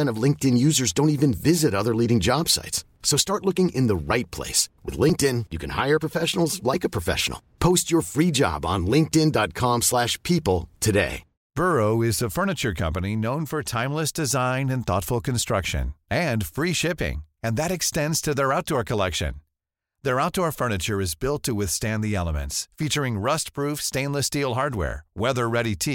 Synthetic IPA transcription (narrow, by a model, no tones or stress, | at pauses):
ɛ̃ñʌvlɪ̃ŋk̚tɨ̃njʉzə˞zdõʊ̃ntivɨ̃nvɪzɨɾʌðə˞liɾɪ̃ŋd͡ʒɑb̥sa̰ɪtsːoʊstɑɹtˡlˠʊkɪ̃ŋʔɪ̃nðəɹaɪt̚pʰl̥ḛɪswɨ̰ðlɪ̃ŋk̚tɪ̃njɨkʰɨ̃nha̰ɪə˞pɹ̥əfɛʃn̩l̩ˠzlaɪkəpʰɹ̥əfɛ̰ʃə̰n̩l̩ˠpʰoʊst͡ʃə˞fɹid͡ʒɑ̰b̃n̩lɪ̃ŋk̚tɪ̃ndɑt̚kʰɑ̃mslæʃpʰipl̩ˠtʰɨdḛɪ | b̥ɜ˞oʊɪzðɨfɜ˞nɨt͡ʃə˞kʰʌ̰̃mpɨninõʊ̃nfə˞tʰãɪ̃mləsd̥ɨzãɪ̃nɨ̃nθɔ̰tfl̩ˠkʰɨ̃n̩stɹ̥ʌkʃɨ̰̃nɨ̃nfɹiʃɪpɪ̰̃ŋɨ̃nðɨɾɨkstɛ̃ndz̥tʰɨðə˞aʊt̚d̥ɔɹkʰəlɛkʃɨ̰̃n | ðə˞aʊt̚d̥ɔɹfɜ˞nɨt͡ʃə˞ɨzbɪlˠtʰəwɪθstæ̃nðiɛlˠəmɨ̰̃ntsfit͡ʃə˞ɪ̃ŋɹʌst̚pʰɹ̥ufstẽɪ̃nləstilˠɦɑɹd̚wɛ̰ɹwɛðə˞ɹɛɾitʰi